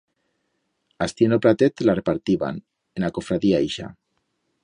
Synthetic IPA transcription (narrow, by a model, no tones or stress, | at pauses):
ast̪ienopɾat̪et̪larepaɾt̪iβa̰n | enakofɾaðiaejʃa̰